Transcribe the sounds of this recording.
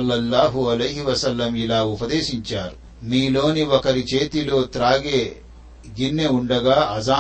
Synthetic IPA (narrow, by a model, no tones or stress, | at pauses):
lːɐlːaːɦuɐlɐjɦiʋɐsɐlːɐmilaːupɐd̪eːʃiɲt͡ʃaːɾu | miːlo̞ːniɔkɐɾit͡ʃe̞ːt̪ilo̞ːt̪ɾaːɡe̞ː | ɡinːeuɳɖɐɡaːʔɐzaː